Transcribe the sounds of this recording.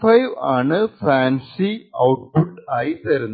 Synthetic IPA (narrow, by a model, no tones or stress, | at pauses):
fɐjʋaːɳɨfaːnsiɐwʈ̚puʈːaːjit̪ɐɾunː